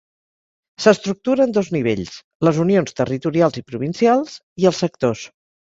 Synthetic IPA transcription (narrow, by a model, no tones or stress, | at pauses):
səst̪ɾuk̚t̪uɾəːnd̪ɔzniβ̞eʎs | ləzunionst̪ərit̪uɾialˠzipɾuβ̞insialˠz̥ | iəlˠsːək̚t̪os